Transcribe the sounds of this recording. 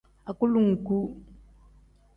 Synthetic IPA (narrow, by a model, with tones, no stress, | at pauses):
a˨ku˦lu˨ŋ̩˨ku˦